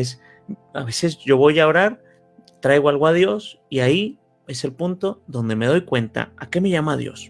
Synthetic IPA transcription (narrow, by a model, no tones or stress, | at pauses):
es | aβe̞se̞sɟ͡ʝo̞βo̞jaoɾaɾ | t̪ɾajɣoalɣoaðjo̞s | iai | e̞se̞lpunt̪o̞ðo̞nd̪eme̞ðo̞jkwe̞nt̪a̰ake̞me̞ʝamaðjo̞̰s